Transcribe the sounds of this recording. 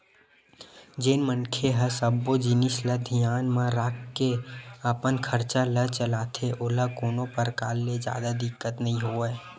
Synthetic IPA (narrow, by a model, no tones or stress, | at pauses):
d͡ʒeːnmənkʰeɦəsəbːod͡ʒɪnɪsləd̪ʱijaːnmãɾaːkkeəpənkʰəɾt͡ʃalət͡ʃəlaːt̪ʰeʔoləkoːnõpəɾkaːlːed͡ʒja̰ːd̪ad̪ɪkːət̪nəɦĩɦoːeː